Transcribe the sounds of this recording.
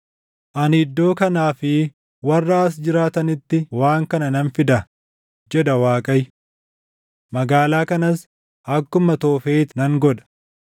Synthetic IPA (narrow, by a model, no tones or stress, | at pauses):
ʔɐnɪd̪ːo̞ːkɐnaːfɪ | wɐrːaːs̬d͡ʒɪɾaːt̪ɐnɪt̪ːɪwaːŋkɐnɐnɐnfɪd̪ɐ | d͡ʒɛd̪ɐwaːkʼɐj | mɐɡaːlaːkɐnɐs | ɐkːʊmɐt̪oːfeːt̪nɐŋɡɔᶑɐ̥